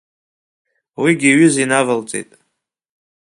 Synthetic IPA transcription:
wiɡʲiɥʏzinavɨlt͡sʼḛtʼ

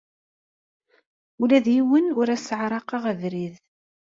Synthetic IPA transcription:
ulæðjiwənʊɾæsʕɾˤɑqɑʁæðɾið

